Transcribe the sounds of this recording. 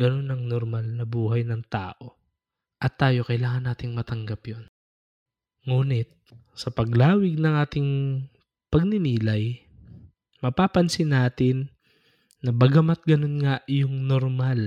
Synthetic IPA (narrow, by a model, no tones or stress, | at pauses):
ɡɐno̞nɐŋnoɾmalnɐbuːɦɐjnɐŋt̪a̰ːʔo̞ | ʔɐt̪ːaːjo̞kɐjlaːŋɐnːaːt̪ɪŋmɐt̪ɐŋɡɐpjon | ŋuːnɪt̪̚sɐpɐɡlaːwɪɡ̚nɐŋʔaːt̪ɪŋ | pɐɡ̚nɪniːlɐj | mɐpaːpɐnsɪnaːt̪ɪnː | ɐbɐɡɐmɐt̪̚ɡɐno̞nŋajʊŋnoɾmal